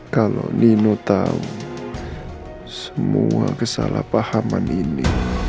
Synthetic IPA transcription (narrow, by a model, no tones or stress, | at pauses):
kalo̰nʔinut̪aun | səmuakəsalapahamanini